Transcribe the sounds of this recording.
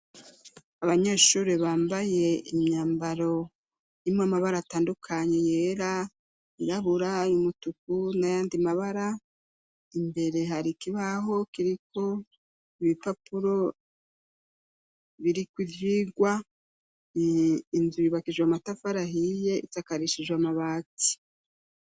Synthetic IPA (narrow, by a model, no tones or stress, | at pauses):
aβaɲe̞ːʃuɾiβaːmbaje̞imɲaːmbaɾo̞ | jimwamaβaɾaːtaːndukʰaɲe̞je̞ːɾa | iɾaβuɾajumutuk̚unajaːndimaβaɾa | imbe̞ɾe̞ɦaɾikiβaɦo̞kiɾikʰo̞ | iβipapuɾo̞ | βiɾikwivjiːɡwa | nzujiβakiʒwamatafaɾaɦije̞itakaɾiʃiʒwamaβaːti̥